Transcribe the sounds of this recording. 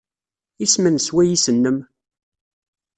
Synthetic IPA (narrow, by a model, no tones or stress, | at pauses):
ismənswæjisənːəm